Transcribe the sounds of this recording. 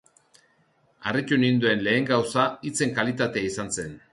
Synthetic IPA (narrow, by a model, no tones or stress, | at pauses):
aret͡ʃunind̪ue̞nle̞ːŋɡawsait͡se̞ŋkalit̪at̪eaisanse̞n